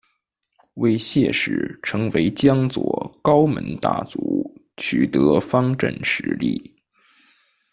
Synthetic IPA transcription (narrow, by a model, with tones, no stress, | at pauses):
we˥˧ɪɕjɛ̰˥˧ʂɻ̩˥˨˩ʈ͡ʂʰɤ˧˥ŋwe˧˥ɪt͡ɕjɑ˥ŋt͡swɔ̰˨˥˩kɑ˥ʊmə̰˧˥nt̪a̰˥˩t͡su˧˥ | t͡ɕʰy˨˩t̪ɤ˧˥fɑ˥ŋʈ͡ʂə̰˥˩nʂɻ̩˧˥lḭ˥˩